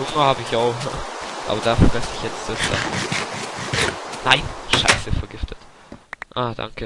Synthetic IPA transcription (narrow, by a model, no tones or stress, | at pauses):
ʊŋəhaːbəɪçaʊxaʔa̰ːbɐd̥aːfɛɐʁɛsɪçjɛt͡stasd̥a̰ː | naɪnʃa̰ɪsəfɛɐɡɪftʰət | ʔaːd̥a̰ŋkə